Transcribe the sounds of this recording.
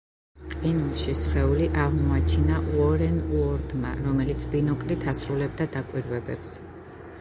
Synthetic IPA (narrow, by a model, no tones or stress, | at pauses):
qʼinulˠʃisχɛuliʔaʁmɔat͡ʃʰinaʔuɔɾɛnuɔɾd̪ma̰ɾɔmɛlit̪sʰbinɔkʼɾit̪ʰasɾulɛb̚d̪ad̪akʼwiɾvɛbɛps